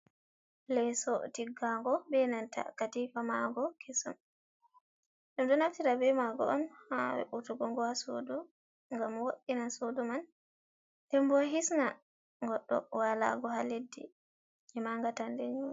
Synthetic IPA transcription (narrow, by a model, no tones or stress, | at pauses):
lɛsɔ̰tiɡaŋɡɔbɛnanta̰katifamaɡɔkʰesṵm | ɗumdɔnaftiɾabɛmaɡɔ̰ʔɔnhawɛ̰ʔutuɡɔŋɡɔhaso̰du | ŋɡamwoɗinasoduman | dɛmbɔɦisna | ŋɡɔɗːɔ̰wala̰ɡɔɦaledːḭ | ɛmaŋɡatandɛɲuni